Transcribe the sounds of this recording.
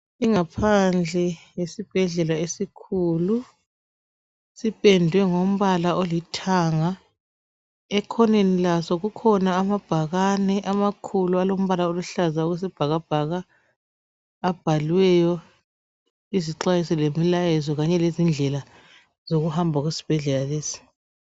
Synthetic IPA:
iŋapʰand͡ɮʱɛjesib̥ʱɛɮɛlaesikʰulu | sipʼɛndʱwɛŋom̩βalaolitʰaŋa | ɛkʰɔnenilasɔɣukʰɔnaːmab̥ʱaɣanɛʔamakʰulualom̩βalaoluɬazauɣes̬ib̥ʱaɣab̥ʱaɣa | b̥ʱalwɛjɔ | iziǁajisɛlemilajɛzɔɣaɲɛlezind͡ɮʱɛla | zoɣuhambʱaɣwesi̥b̥ʱɛɮɛlaleːsi̥

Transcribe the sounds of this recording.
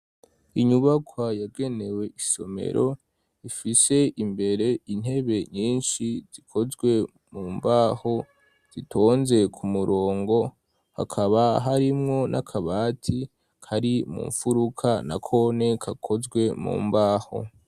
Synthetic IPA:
iɲuβakʰwajaɡe̞ne̞we̞ʔiso̞me̞̰ɾʔo̞ | ifise̞ʔimbe̞ɾe̞in̥he̞βe̞ɲiːnʃiz̥ikʰo̞zɡwe̞ | muːmbaːho̞ | z̥itʰo̞ːnze̞kʰumuɾo̞ːŋɡo̞ | ha̰kʰaβaɦaɾimŋo̞nʔa̰kʰaβaːtʰi | kʰaɾimṵːɱfuɾukʰana̰kʰo̞ne̞kʰakʰo̞zɡwe̞mṵːmbaːho̞̰

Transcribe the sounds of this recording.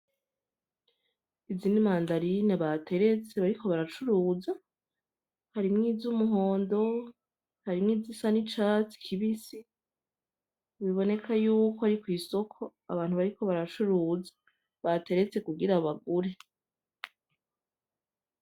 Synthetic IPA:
izinimaːndaɾinaβatʰe̞ɾe̞t͡seβaɾikʰo̞βaɾat͡ʃuɾuːza | haɾimŋiːzumuɦo̞ːndo̞ | haɾimŋiːzisanit͡ʃat͡si̥kʰiβisi | βiβo̞ne̞kʰajuːkoaɾikwiːso̞kʰo̞ | a̰βaːnhuβaɾiko̞βaɾat͡ʃuɾuːzḁ | βate̞ɾe̞t͡se̞kuɡiɾaβaɡuɾe̞

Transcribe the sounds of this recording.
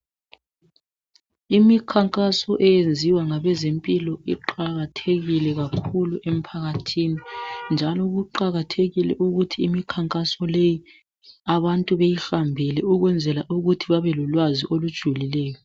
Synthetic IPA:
imikʰaŋkʼasɔʔɛjend͡zʱiwaŋaβɛzempʼilɔḭǃaɣatʰeɣilɛɣakʰuluʔem̩pʰaɣatʰinind͡ʒʱalɔɣuǃaɣatʰeɣilɛ̰ʔuɣutʰiːmikʰaŋkʼasɔleji | aβantʼuβejiɬambʱilɛuɣwɛnd͡zʱɛlaʔuɣutʰiβaβɛlulwaziʔolud̥ʒ̥ʱulilɛːjɔ

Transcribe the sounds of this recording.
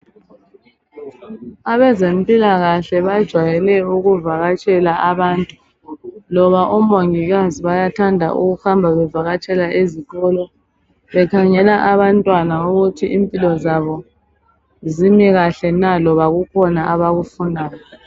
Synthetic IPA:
aβɛzempʼilaɣaɬɛβad̥ʒ̥ʱwajɛlɛuɣuvaɣat͡ʃʼɛlaʔaβaːntʼu | lɔβaʔumoŋiɣaziβajatʰandʱa̰ʔṵɣuxambʱaβɛvaɣat͡ʃʼɛlaʔiziɣʼɔlɔ | βɛkʰaŋɛlaʔaβantʼwanauɣutʰiimpʼilɔzaβɔ | zimiɣaɬɛnalɔβaɣukʰɔnaʔaβaɣufunʱaːjɔ

